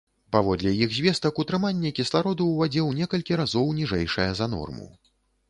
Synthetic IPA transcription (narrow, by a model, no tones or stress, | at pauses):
pavɔd̪lʲɛjiɣzʲvʲɛst̪ɐkut̪ɾɨmanʲːɛkʲislˠaɾɔd̪uwvad͡zʲɛwnʲɛkɐlʲkʲiɾazɔwnʲiʐɛjʂɐjɐzɐnɔ̰rmṵ